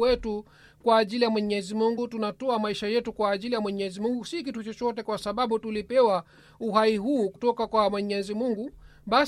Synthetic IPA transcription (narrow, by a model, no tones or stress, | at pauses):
ɛtu | kwaːʄilijamwɛɲɛzimuŋɡutunatɔamaiʃajɛtukwaːʄilijamwɛɲɛzimuŋɡusikitut͡ʃɔt͡ʃɔtɛkwasaɓaɓutulipɛwa | uɦaiɦuːkutɔkakwamwɛɲɛzimuŋɡuɓa